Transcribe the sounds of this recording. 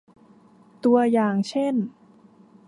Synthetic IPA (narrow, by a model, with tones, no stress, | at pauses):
t̪u˧ɐjaː˨˩ŋt͡ɕʰe˥˩n